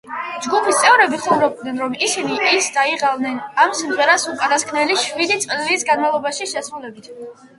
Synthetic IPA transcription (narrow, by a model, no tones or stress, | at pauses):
d͡ʒɡupʰist̪sʼɛvɾɛbiχɔvɾɔb̚d̪nɛnɾɔmisiniʔisd̪aiʁavnɛnamsimʁɛɾasupʼanaskʰnɛliʃwid̪it̪sʼisɡanmavlˠɔbaʃiʃɛsɾulɛbit̪ʰ